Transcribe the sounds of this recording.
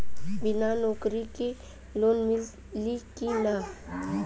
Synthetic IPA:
bɪnanɔːkɾiki | loːnmɪl | likina

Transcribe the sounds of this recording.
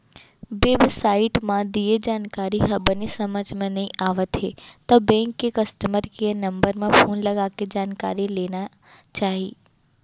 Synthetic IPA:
beːbsaːɪʈmãd̪ied͡ʑaːnkaːɾiɦɐbənisɐməd͡ʒmãnɐĩʔaːʋət̪ɦet̪ɐbɛ̃ːŋkːekɐsʈəməɾkiənɐ̃mbəɾmãfoːnlɐɡaːked͡ʑaːnkaːɾileːna | t͡ʃaːɦiː

